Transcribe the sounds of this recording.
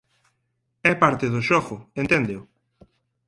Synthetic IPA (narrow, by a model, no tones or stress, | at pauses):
ɛpaɾt̪ɪðʊʃɔɣʊent̪end̪eʊ